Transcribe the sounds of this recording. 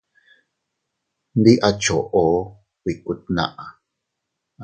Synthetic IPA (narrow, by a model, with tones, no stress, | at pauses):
nd̪i˦ʔa˧t͡ʃo˨ʔo˨˦ | wʷi˨ku˧t̪̚nã̰˦ʔa˨